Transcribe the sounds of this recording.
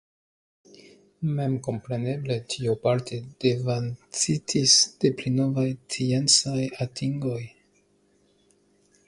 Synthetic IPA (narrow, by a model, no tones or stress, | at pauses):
me̞mko̞mpɾe̞ne̞ble̞tʰiupaɾtʰed̥e̞vant͡sitʰisd̥e̞plino̞vajt͡siensajatʰiŋɡo̞j